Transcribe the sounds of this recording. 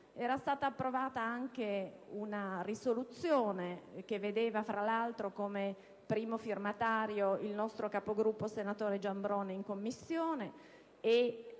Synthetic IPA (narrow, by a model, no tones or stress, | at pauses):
ɛːɾast̪aːt̪aːpːɾovaːt̪aaŋk̟eunarisolut̪sːjoːnek̟evːed̪eːvafɾʔalalt̪ɾokome | pɾiːmofirmat̪aːɾjoilnɔst̪ɾokapoɡɾupːosenat̪oːɾed͡ʒambɾoːneiŋkomːisːjoːne | e